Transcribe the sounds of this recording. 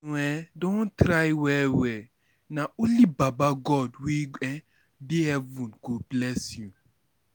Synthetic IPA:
ɛdɔ̃ntɾajwɛwɛ | naulibabaɡɔdwiɡɛ | biɛvũnɡublɛsũ

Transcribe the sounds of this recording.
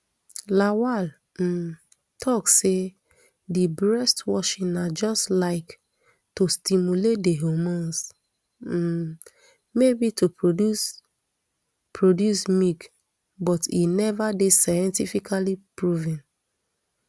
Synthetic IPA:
lawal̩ | tʰɔkse | dibɹɛstwɔʃĩnad͡ʒɔstlaɪk | tostimjulet̚deɦomõns̩ | mebitʰupus | pʰɹodjusmik | bɔtḭnɛvadesajɛ̃ntifikʰalipɹuvĩn

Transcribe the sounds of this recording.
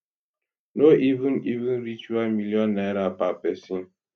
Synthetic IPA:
noʔivunivinɾit͡ʃualmiljɔnːaɾapapɛsin

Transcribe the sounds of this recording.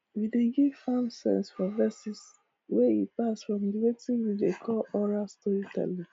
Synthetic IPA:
wideɡiv̥fãmsɛ̰̃nsfɔvɛsis | wɛipasfɹɔ̃mdiwetĩnwidekʰɔlɔɹastɔɹitʰɛ̰lĩ

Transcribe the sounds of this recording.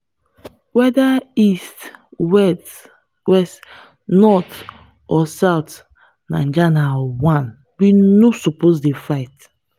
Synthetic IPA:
wɛdaist | wɛst | nɔt | ɔsawt | nã̰d͡ʒanawãn | binosoposdefaɪt

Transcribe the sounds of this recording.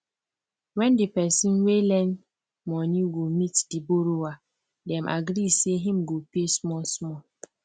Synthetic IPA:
wɛndipɛsĩnwelɛ̃n | mɔniɡomitdiboɾowa | dɛmʔa̰ɡɾiseɦĩm̩ɡopesmɔsmɔ

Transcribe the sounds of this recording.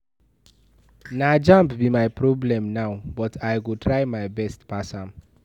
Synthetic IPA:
nad͡ʒãmpbimajpɹɔblɛ̃mnaʊbɔtʰajɡotʰɹaɪmaɪbɛstpasɔ̃n

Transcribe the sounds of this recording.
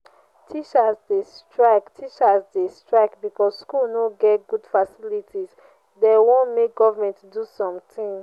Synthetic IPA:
tʰit͡ʃasdestɹaɪktʰit͡ʃasdestɹaɪkbikɔsskulnoɡɛtɡudfasilitʰis | dewõnmek̚ɡɔvamɛ̃ntdusɔ̃mtĩŋ

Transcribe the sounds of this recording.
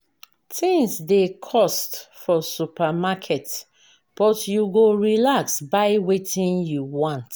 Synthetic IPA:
tʰĩŋsdekʰɔstfɔsupamakʰɛt | b̥ɔtjuɡoɹilaksbaɪwetʰĩnjuwɔ̃nt

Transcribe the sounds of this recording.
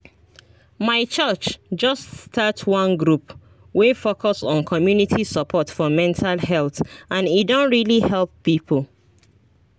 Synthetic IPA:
maɪt͡ʃɜt͡ʃd͡ʒʌsstʰatwɔ̃nɡɹup | wefokɔsɔ̃nkʰɔmjunitʰisəpʰɔtfɔmɛ̃ntʰalhɛlθãnidõnɹilihɛlˠpːipʰəl

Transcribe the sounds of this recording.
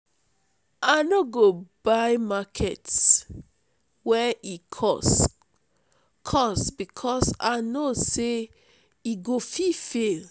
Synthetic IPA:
anoɡobajmakʰɛts | wɛʔikʰɔs | kʰɔsbikʰɔsanose | iɡofifel

